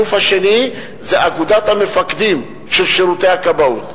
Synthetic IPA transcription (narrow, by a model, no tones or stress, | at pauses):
ufaʃeni | zeʔaɡud̪at̪hame̞fakd̪im | ʃelʃeɾute̞jakabaut̪